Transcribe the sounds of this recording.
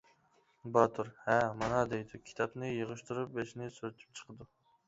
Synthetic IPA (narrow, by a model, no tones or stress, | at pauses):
bɑt̪ʰuɾhɛmɑnɑd̪ejd̪ukʲʰi̥t̪ʰɑpnɨjəʁəʃt̪uɾup̚beʃnɪsyɾyt͡ʃ̪ʰy̥p̚t͡ʃʰə̥qʰəd̪u